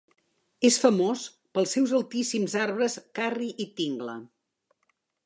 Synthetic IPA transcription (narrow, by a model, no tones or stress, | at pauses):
esfəmos | pəlˠsːɛwzəlˠt̪isimzaɾβɾəskariʔit̪iŋɡlə̰